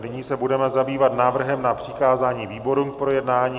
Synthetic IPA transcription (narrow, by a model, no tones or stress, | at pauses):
nɪɲiːsɛbudɛmɛzabiːvat̪naːvr̩ɦɛmnapr̝̥ɪkaːzaːɲiːviːbo̞ɾum̚pɾojɛdnaːɲiː